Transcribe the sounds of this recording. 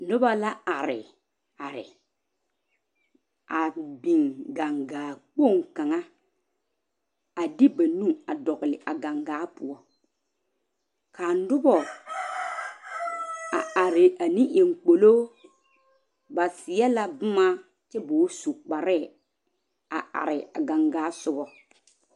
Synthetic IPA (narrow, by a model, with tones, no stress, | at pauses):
nʊ˦ba˦la˦a˨ɾɪ̰˨ | a˨ɾɪ̰˨ | a˨bi˨ŋɡa˨ŋɡaː˨k͡po˦˨ŋka˨ŋa˦ | a˨dɪ˦ba˨nu˦ŋa˨dɔ˨ɣɪ˨lɪ˨ʔa˨ɡa˨ŋɡaː˨˦pʊ˨ɔ˦ | kʰaː˨n˦dʊ˦bɔ˨ | a̰˨a˨ɾɪ˨a˨nĩ˦ʔe˨ŋk͡po˨loː˦ | ba˨sɪ˨˦ɛ˦la˦bʊ˦ma˦ | tɪ˦bʊ˨˦su˨k͡pa˨ɾɛ˦˨ | a̰˨ʔa̰˨ɾɪ˨a̰˨ɡa˨ŋɡaː˨˦sʊ˦bɔ˦